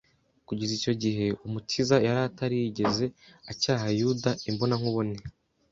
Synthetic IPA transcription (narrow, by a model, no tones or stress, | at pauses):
kuɟizico̞ɟiɦe̞umutʰizajaɾataɾijiɟe̞ze̞acaːɦajudaimbo̞naŋuβone